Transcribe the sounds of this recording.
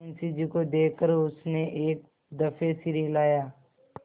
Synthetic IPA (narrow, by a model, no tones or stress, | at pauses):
nsid͡ʒikod̪eːkːəɾʊsneʔeːk̚ | d̪əfʰesiɾiɦlaːjaː